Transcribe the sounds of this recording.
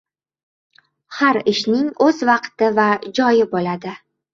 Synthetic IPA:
haɾɪʃnɪŋɵzvɑqt̪ɪvad͡ʒɒjɪbolad̪ɪ

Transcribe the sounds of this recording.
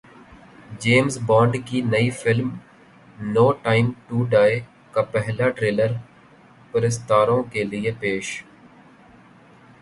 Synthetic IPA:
d͡ʒeːmzbɔ̃ːɳɖkiːnəifɪlm | noːʈaːɪmʈuːɖaːe | kaːpɛɦlaːʈɾeːləɾ | pɪɾɪst̪aːɾõkelɪepeːʃ

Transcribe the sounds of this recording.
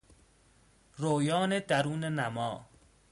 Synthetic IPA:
roːjɒːned̪æɾuːnenæmɒː

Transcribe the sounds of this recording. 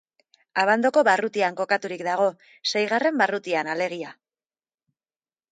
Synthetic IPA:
aβand̪o̞ko̞βarut̪iaŋko̞kat̪uɾikd̪aɣ̞o̞ | se̞jɣ̞are̞mbarut̪ianale̞ɣ̞ia

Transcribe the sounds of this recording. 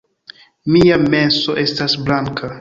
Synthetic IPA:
miame̞nso̞ʔe̞stasblaŋkʰa

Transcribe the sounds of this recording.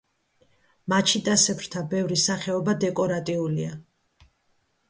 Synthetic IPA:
mat͡ʃʰid̪ʼasɛpʰɾt̪ʰabɛvɾisaχɛɔbad̪ɛkʼɔɾat̪ʼiulia

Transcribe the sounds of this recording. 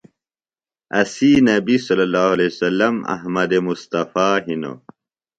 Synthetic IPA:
ɐsinɐbisɐlːɐlːaːhuɐlesɐlːɐmɐ̰ɦmɐd̪emust̪ɐfaːɦino̰

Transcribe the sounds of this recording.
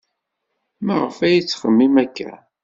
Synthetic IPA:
mæʁəfæjit͡sːχəmːimækːæ̰

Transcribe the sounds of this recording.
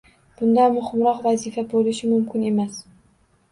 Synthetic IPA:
b̥ʊnd̪anmʊhɪmɾɒqvazifabolɪʃɪmʊmkʲʰɪne̞mas

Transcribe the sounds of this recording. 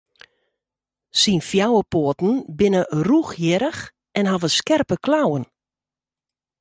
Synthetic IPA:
sinfjawəpoətn̩bɪnəruxjɪɾəx | ɛnɦɔvəskɛrpəklawən

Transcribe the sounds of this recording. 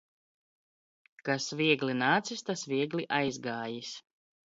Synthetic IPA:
kasvʲiɛɡlʲinaːt̪sist̪asvʲiɛɡlʲiʔajzɡaːjis

